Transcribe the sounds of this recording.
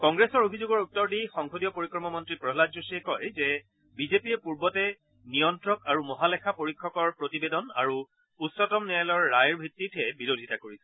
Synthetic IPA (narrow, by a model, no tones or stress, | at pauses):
kɔŋɡɹesɔɹobʱizuɡɔɹutːɔɹdixɔŋkʰodijɔpoɹikɹɔmɔmɔntɹipɹɔɦlad͡ʒzusiɛkɔjzɛ | bizepijɛpuɹbɔtɛ | nijɔntɹɔkaɹumɔɦalɛkʰapoɹikʰːɔkɔɹpɹotibedɔna̰ɹu | utsɔtɔmnɛalɔɹːajɹbʱitːitʰɛbiɹodʱitakoɹisɛ̥